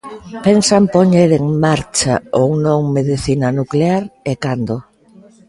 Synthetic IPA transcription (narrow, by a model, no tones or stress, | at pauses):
pɛnsampoɲeɾeŋmaɾt͡ʃa̰ownõŋmeðiθinanukleaɾekand̪o